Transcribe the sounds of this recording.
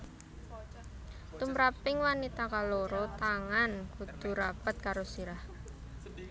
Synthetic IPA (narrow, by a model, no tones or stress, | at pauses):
t̪umɾapɪŋwanit̪akaloɾɔt̪aŋanɡ̥ud̪̥ṳɾapət̪̚kaɾosiɾah